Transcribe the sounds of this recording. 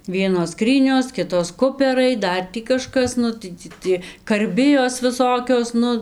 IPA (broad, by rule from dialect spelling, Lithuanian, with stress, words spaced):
ˈʋʲiɛnoːs ˈskrʲiːnʲoːs ˈkʲɪtoːs ˈkʊpʲɛrɐɪ ˈdɐr tʲiː kɐˈʃkɐs ˈnʊ tɐɪ tʲiː ˈtʲiɛ kɐrʲˈbʲɪjoːs ʋʲɪˈsoːkʲoːs ˈnʊ